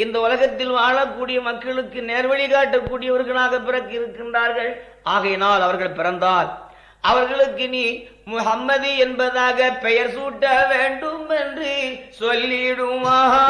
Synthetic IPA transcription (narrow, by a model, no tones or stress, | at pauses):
ɪnd̪ɐʊlɐɣɐt̪ːɪlʋaːɭɐkːuːɽɪjɐmɐkːɐɭɯkːɯneːɾʋɐɭɪɣaːʈːɐkːuːɽɪjɐʋɐɾɣɐɭaːɣɐpːɪɾɐkːɪɾɯkːɪndraːɾɣɐɭ | ʔaːɣɐjɐnaːlɐʋɐɾɣɐɭpɪɾɐnd̪aːl | ʔɐʋɐɾɣɐɭɯkːɯniː | mʊhɐmːɐðiɛnbɐðaːɣɐpɛjɐɾsuːʈːɐʋeːɳɖɯmɛndrɯsɔlːɪɽɯmaːɐ